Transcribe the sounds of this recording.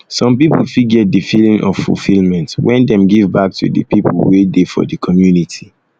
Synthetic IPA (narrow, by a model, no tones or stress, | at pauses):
sɔ̃mpipl̩fiɡɡɛt̚dəfilĩŋʔɔ̰v̥fṵlfilmɛ̃ntwʔɛ̃ndɛ̃mɡivbak̚tʰṵdə̰pipʰlwedefɔ̰dəkʰɔmjunitʰi